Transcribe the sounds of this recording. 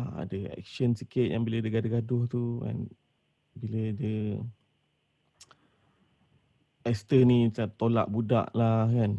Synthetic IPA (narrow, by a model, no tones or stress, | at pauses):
a̰dəɛ̰k̚ʃənsikɪt̪̚jaŋbilədəɡadəɡadʊht̪uka̰n | bilədə | ɛst̪ənisat̪ola̰ʔbuda̰ʔlahkan